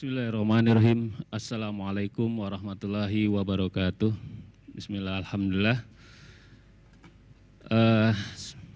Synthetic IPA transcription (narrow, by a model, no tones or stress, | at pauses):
bismilahirɑhmaniɾɑɦimasːalamualajkʊmwaɾɑhmat̪ulaɦiwabaɾɔkat̪uhbismilahalhamd̪ulilːah | ʔə